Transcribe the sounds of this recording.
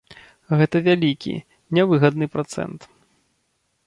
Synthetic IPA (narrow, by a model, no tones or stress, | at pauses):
ɣɛt̪ɐvʲalʲikʲḭ | nʲɛvɨɣɐd̪nɨpɾat̪sɛ̰nt̪